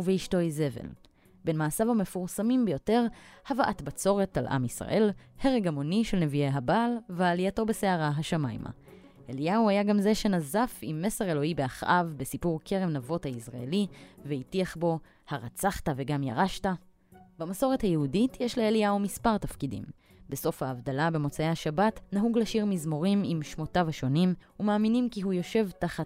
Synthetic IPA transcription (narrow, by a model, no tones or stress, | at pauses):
uveiʃto̞jze̞vḛl | be̞nmaːsavame̞fuʁsamimbejo̞te̞ʁhavaʔatbat͡so̞ʁe̞talʔa̰misʁa̰ʔe̞lhe̞ʁeɡamo̞niʃe̞lne̞viejɦabaːlveaːlijato̞bese̞aʁaɦaʃama̰jmʔa̰ | ʔelijauajaɡamze̞ʃe̞nazafimːe̞se̞ʁe̞lo̞hibe̞aχʔa̰vbe̞sipuʁkʰe̞ʁe̞mnavo̞thaisʁaelivehitiaχbo̞ | haʁat͡saχtave̞ɡamja̰ʁaʃta | bamaso̞ʁethajeuditjeʃleːlijaumispaʁtafkidḭm | be̞so̞fhaːvdalabe̞mo̞t͡saehaʃabatnaɦuɡlaʃiʁmizmo̞ʁimimʃmo̞tavhaʃo̞nim | umaːminimkiɦujo̞ʃe̞vtaχat